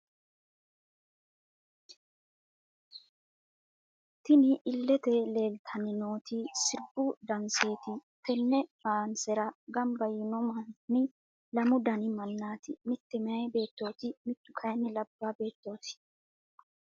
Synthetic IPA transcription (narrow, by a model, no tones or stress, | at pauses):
t̪ɪnɪʔːlːɛt̪ɛle̞ːlt̪ʰɐnɪno̞ːt̪ɪsɪɾbud̪ɐnseːt̪ɪt̪ɛnːɛbaːnsɛɾɐɡɐmbɐjɪnʊmɐnnɪ | lɐmʊd̪ɐnɪmɐnːaːt̪ɪmɪt̪ːɪmɪɐjbe̞ːt̪ːo̞ːt̪ɪmɪt̪ːʊkʰɐjnːɪlɐbːabe̞ːt̪ːo̞ːsɪ̥